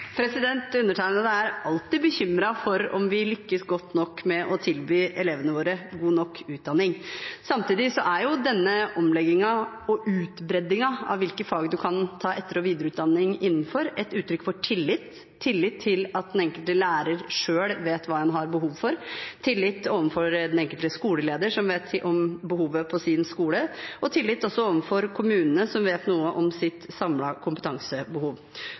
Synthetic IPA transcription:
pʰɾɛsɪd̪ɛnt̪ʉnːəʈʰæɪnəd̪əæɾɑlt̪ɪbəçʏmɾɑfɔɾɔmʋɪlʏkːəsɡɔt̪ːnɔkːmɛʔɔt̪ʰɪlbyːʔɛleːʋənəʋoːɾəɡuːnɔkʰːʉːt̪̚d̪ɑnːɪŋsɑmt̪iːd̪ɪsɔʔæɾjʊd̪ɛnːəʔɔmlɛɡɪŋɑ | ɔʔʉːt̪bɾɛd̪ɪŋɑɑ̰ʋɪlkəfɑːɡd̪ʉkʰɑnt̪ʰɑːʔɛt̪ːəɾɔʋiːd̪əɾəʉːt̪d̪ɑnːɪŋɪnːn̩fɔɾɛt̪ʉːt̪ʰːɾʏkːfɔʈʰɪlːɪt̪ʰː | ɪlːɪt̪ʰːɪlɑt̪̚d̪ɛnɛŋkəlt̪əlæːɾəɾʂøːɽʋeːt̪ʋɑːɛnɦɑɾbəɦuːʋfɔɾt̪ʰɪlːɪt̪ːoːʋənfɔɾd̪ɛnɛŋkəlt̪əskuːləleːd̪əʂɔmʋeːt̪ʰʔɔmbəhuːʋəpʰɔsɪnskuːləʔɔt̪ʰɪlːɪt̪ːɔsːɔoːʋənfɔɾkʰʊmʉːnənəsɔmʋeːt̪nuːəʔɔmsɪt̪sɑmlɑkʰʊmpət̪ʰɑŋsəbəhuːʋ

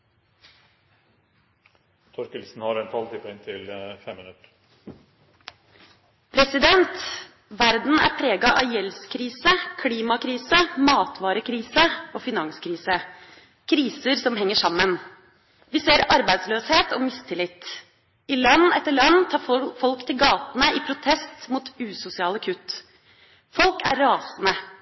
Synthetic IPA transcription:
t̪ʰɔɾkəlsn̩hɑɾɛɪnt̪ʰɑlt̪ipʰɔɛŋt̪ʰɪlfɛmːɪnʉt̪ɾ | pʰɾɛsɪd̪ɛnt̪ | ʋæɾd̪n̩æ̰ɾpʰɾeːɡɑʔɑjɛlskʰɾiːsəkʰliːmɑkʰɾiːsəmɑːt̪ʰʋɑːɾəkʰɾiːsəofɪnɑŋskʰɾiːsə | kʰɾiːsəɾsɔmɦɛŋːəʂɑmːən | ʋɪseːɾɑɾbæɪd̪sløːsheːt̪ʰɔmɪst̪ʰɪlɪt̪ː | ɪlɑnːɛt̪ːəɭɑnːt̪ʰɑːfɔlkt̪ʰɪlɡɑːt̪nəɪpʰɾʊt̪ʰɛst̪muːt̪ʉːsʊsɪɑːləkʰʉt̪ː | fɔlkæ̰ɾɾɑːsn̩ə

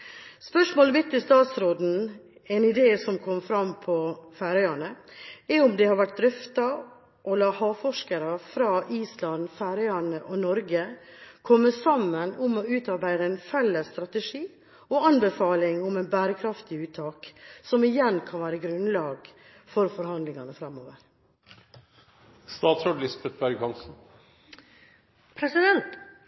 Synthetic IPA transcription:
spœʂmoːləmɪt̪ːɪst̪ɑːt̪sɾoːd̪n̩ | ɛnɪd̪eːsɔmkʰɔmːfɾɑmpʰɔfæːɾœʏɑɳəɛʊmd̪ɛhɑɾʋæʈ̚d̪ɾʏft̪ɑ | ʔɔlɑːhɑːfɔʂkəɾəfɾɑːʔiːslɑnfæːɾœɑɳəʔɔnɔɾɡəkʰɔmːəsɑmːənʊmɔʉːt̪ɑɾbæɪd̪əɛɪnfɛlːəsːt̪ɾɑt̪əʂiː | ɔɑnbəfɑːlɪŋʊmɛnbæːɾəkʰɾɑft̪ɪʉːt̪ʰːɑːksɔmɪjɛnkʰɑnʋæːɾəɡɾʉnlɑːɡ | fɔɾfɔɾhɑnd̪lɪŋɑnəfɾɑmːoːʋəɾ | st̪ɑːt̪sɔɖlɪsbɛt̪̚bæɾɡhɑnsn̩ | pʰɾɛsɪd̪ɛnt̪

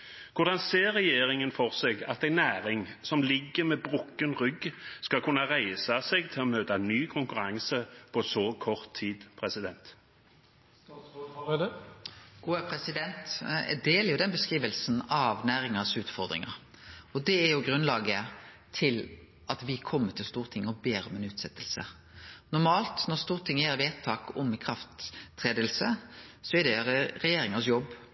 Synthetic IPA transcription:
kʰʊʁd̪ɑnseːɾɛjeːɾɪŋənfɔʁseɡɑt̪æɪnæːɾɪŋsɔmlɪɡːəmɛbʁʊkːənʁʏɡskɑlkʰʉnːɑʁæɪsɑsɛɡt̪ʰɪlɔmøːt̪ɑnyːkʰʊŋkʉɾɑŋsəpʰɔsɔkʰɔʁt̪ʰːiːd̪pʰʁɛsɪd̪ɛnt̪ | ɡ̥uːəpʰɾɛsɪd̪ɛnt̪d̪eːləɾjʊd̪ɛnbəskʁiːʋəlsnɑʋnæːɾɪŋəsʉːt̪fɔɾd̪ɾɪ̰ŋə̰ɾ | ɔd̪ɛæɾjʊɡɾʉnlɑːɡə | t̪ʰɪl | ʔɑt̪ʋɪkʰɔmːət̪ʰɪlst̪uːʁt̪ʰɪŋːɔbeːɾɔmɛnʉːt̪sɛt̪ːəlsə̰ | nʊɾmɑːlt̪nɔʁst̪uːʁt̪ʰɪŋːəjæɾʋeːt̪ʰːɑːkɔmɪkʰɾɑft̪ʰːʁeːd̪əlsəsɔɛd̪ɛɾɛjeːɾɪŋəsjɔb

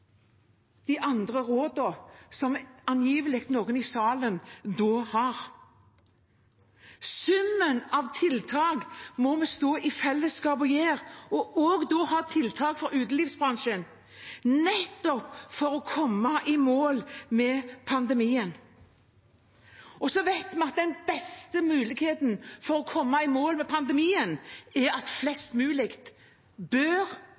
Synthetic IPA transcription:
d̪̥ɪʔɑnd̪ʁəɾoːd̪ɔsɔmɑnjiːʋəlɪk̚t̪noːɡənɪsɑːlənd̪oːhɑʁ | sʉmːənɑʋt̪ʰɪlt̪ʰɑːɡmɔmɛst̪oːʔɪfɛlːəskɑːbɔjeːʁɔʔɔɡd̪oːhɑːt̪ʰɪlt̪ʰɑːɡfɔɾʉːt̪l̩ɪfsbʁɑŋʃən | nɛt̪ːɔpfɔɾɔkʰɔmːɑʔɪmoːlmɛpʰɑnd̪ɛmiːən | ɔsɔʋæɪt̪mɛɑt̪̚d̪ɛnb̥ɛst̪əmʉːlɪɡheːt̪nfɔɾɔkʰɔmːɑɪmoːlmɛpʰɑnd̪ɛmiːənɛɾɑt̪flɛst̪mʉːlɪkt̪ | bøɾ

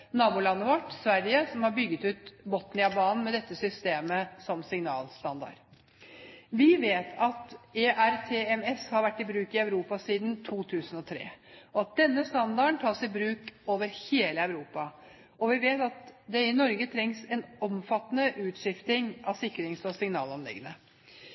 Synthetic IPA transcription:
nɑːbʊːlɑnːəʋɑʈsʋæɾjəsɔmhɑɾbʏɡːət̪ʉːt̪bɔt̪nɪɑbɑːnn̩mɛd̪ɛt̪ːəsʏst̪eːməsɔmsɪŋnɑ̰ːlst̪ɑ̰nd̪ɑ̰ɾ | ʋɪʋeːt̪ʰɑt̪eːʔæɾt̪ʰeːɛmɛshɑɾʋæʈːɪbɾʉːkɪɑʉɾuːpɑsiːd̪n̩t̪ʰuːt̪ʰʉːsənɔt̪ʰɾḛːɔɑt̪̚d̪ɛnːəst̪ɑnd̪ɑəɳt̪ʰɑːsɪbɾʉːkoːʋəɾheːləɑʉɾuːpɑ | ɔʋɪʋeːt̪ɑt̪d̪ɛɪnɔɾɡət̪ʰɾɛŋsɛnɔmfɑt̪ːənəʔʉːt̪ʂɪft̪ɪŋɑsɪkːɾɪŋsɔsɪŋnɑ̰ːlɑnlɪ̰ɡːənə

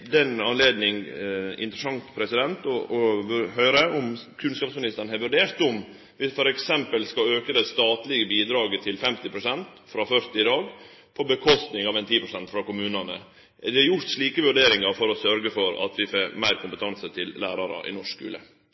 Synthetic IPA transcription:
d̪ɛnɑnleːd̪nɪŋɪ̰nt̪ɾəsɑŋt̪pʰɾɛsɪd̪ɛnt̪ɔɔʋʉɦøːɾəɔmkʰʉnskɑːpsmɪnɪst̪əɳ̩hɛɾʋʉɖeːɾt̪ɔm | ʋɪfɔɾɛksɛmpəlskɑøːkəd̪ɛst̪ɑːt̪lɪɡəbiːd̪ɾɑːɡət̪ʰɪlfɛmt̪ɪpʰɾʊsɛnt̪ | fɾɑːfœɾt̪ɪd̪ɑːɡ | pʰɔbəkʰɔst̪nɪŋɑːʋɛnt̪ʰiːpʰɾʊsɛnt̪fɾɑkʊmʉːnɑnə̰ | d̪ɪhɑɾjʊɾt̪ʂɭiːkəʋʉɖeːɾɪŋɑɾfɔɾɔsœɾɡəfɔɾɑ̰t̪ʋɪfoːmæɪɾkʰʊmpət̪ʰɑnsət̪ʰɪllæ̰ːɾɑɾə̰ʔɪ̰nɔʂkʉ̰ːlə̰

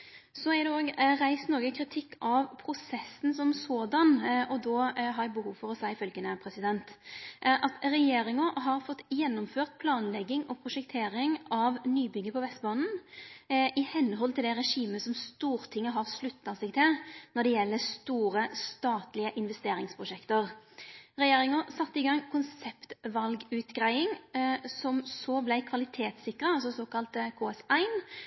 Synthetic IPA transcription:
sɔæɾd̪ɛoːɡɾæɪst̪noːɡəkʰɾɪt̪ʰɪkːɑʋpʰɾʊsɛsːn̩sɔmsoːd̪ɑnʔɔd̪ɔɦɑɾɛbəɦuːʋfɔɾɔsæɪfœlɡənəpʰɾɛsɪd̪ɛnt̪ʔɑt̪ɾɛjeːɾɪŋɔɦɑɾfɔt̪ːjɛnːɔmføːʁt̪̚pʰlɑːnlɛɡːɪŋɔpʰɾʊʂɛkt̪ʰeːɾɪŋɑʋnyːbʏɡəpʰɔʋɛst̪bɑːnn̩ | ɪhɛnːəɦɔlt̪ɪld̪ɛʁɛʂiːməsɔmst̪uːʁt̪ʰɪŋːəɦɑʁslʉt̪ːɑsɛɪɡ̚t̪ʰɪlnɔd̪ɛjɛlːəst̪uːɾəst̪ɑːt̪lɪəʔɪnʋɛst̪eːɾɪŋspʰɾʊʂɛkt̪əʁʁɛjeːɾɪŋəsɑt̪ːəɪɡɑŋkʰʊnsɛpt̪ʋɑlɡʉːt̪ɡʁæɪɪŋsɔmsɔblæɪkʰʋɑlɪt̪ʰeːt̪sɪkɾɑɑls̬ɔsoːkɑlt̪kʰoːɛsæɪn

